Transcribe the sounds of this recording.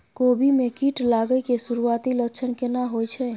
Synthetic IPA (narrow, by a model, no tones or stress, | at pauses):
kobʱimekiʈlaɡəkesuɾuat̪ilət͡ʃʰənkenaɦojt͡ʃʰɛ